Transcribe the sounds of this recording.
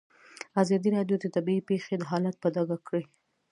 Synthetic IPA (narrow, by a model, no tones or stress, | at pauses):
azɑd̪iɾɑɖjod̪ət̪abiipexed̪əɦɑlat̪̚pəd̪ɑɡakɽe